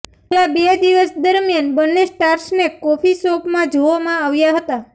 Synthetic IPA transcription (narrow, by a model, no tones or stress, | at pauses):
labed̪iʋəsd̪əɾmjanbənːesʈaɾsnekɔfisɔpmãd͡ʒoʋamãaʋjaɦət̪a